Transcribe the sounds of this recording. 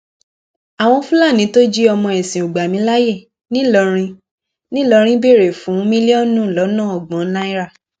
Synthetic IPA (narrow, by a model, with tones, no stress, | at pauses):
a˨w̃ɔ̃˧fũ˦la˦˨nĩ˨˦to˦d͡ʒi˦ɔ˧mɔ̃˧ɛ˨sĩ˨u˨ɡ͡ba˨mĩ˧˦la˦je˦˨ | nĩ˦lɔ˧ɾ̃ĩ˧ | nĩ˦lɔ˧ɾ̃ĩ˦be˦˨ɾe˨fũ˨˦mĩ˦li˦ɔ˦˨nũ˦˨lɔ˨˦nãː˦˨ɔ˨ɡ͡bɔ̃˨˦la˦i˦ɾa˦˨